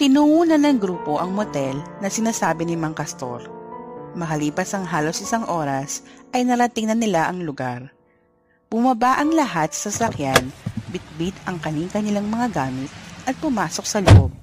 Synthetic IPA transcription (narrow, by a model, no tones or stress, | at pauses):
t̪ɪnuʔuːnɐnɐŋɡɾuːpo̞ʔɐŋmot̪ɛlnɐsɪnaːsaːbɪnɪmɐŋkɐst̪o̞̰ɾ | mɐkɐliːpɐsɐŋɦaːlo̞sʔɪsaŋʔo̞ːɾɐsʔɐjnɐɾɐt̪ɪŋnɐnɪlaʔɐŋlʊɡaɾ | b̥ʊmɐbaʔɐŋlɐɦat̪sɐ̥sɐsɐkjanbɪt̪̚bɪt̪ɐŋkɐniŋkɐnɪlaŋmɐŋaɡaːmɪt̪̚ʔɐt̪̚pʊmaːso̞k̚sɐloʔob̚